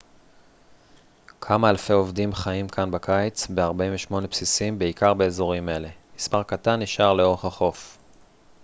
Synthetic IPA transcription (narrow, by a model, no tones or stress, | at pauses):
kʰamaːlfe̞jo̞vdimχaimkʰanbakajt͡sbe̞aʁbaĩveʃmo̞ne̞psisimbe̞ikaʁbe̞ːzo̞ʁime̞le̞mispaʁkatanːiʃʔaʁle̞o̞ʁe̞χaχo̞f